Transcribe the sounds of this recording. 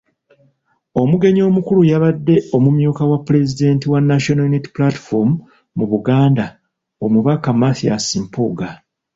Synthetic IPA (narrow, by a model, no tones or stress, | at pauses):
o̞muɡe̞ɲo̞ːmukulujaβadːe̞o̞mumjuːkawapːule̞zide̞ntiwanːaʃonajuniti̥plati̥fomu | muβuɡaːnda | omuβakamaθia̰simpuɡa